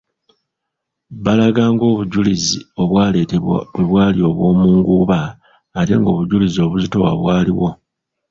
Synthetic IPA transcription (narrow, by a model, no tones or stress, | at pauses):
balaɡaːŋɡo̞ːβuɟulizio̞βwaːle̞teβa̰weβwaːlio̞βwo̞ːmuːŋɡuβaː | te̞̰ŋɡo̞ːβuɟulizio̞ːβuzito̞wa̰βwaːliwo̞